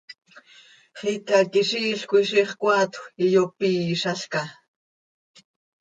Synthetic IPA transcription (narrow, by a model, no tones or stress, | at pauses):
χik̪akɪʃiːɬkʷiʃiχkʷaːt̪wijopiːʃaɬka